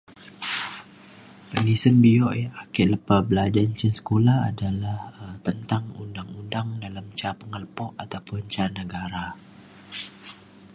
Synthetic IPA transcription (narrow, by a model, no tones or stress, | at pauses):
pənisənbiɔʔjaakɛʔləpabəlad͡ʒaɲt͡ʃənsə̥kolaha̰dalahət̪ənt̪aŋṵndaŋundaŋdalamt͡ʃapəŋəlpɔʔat̪awpʊnt͡ʃanəɡaɾa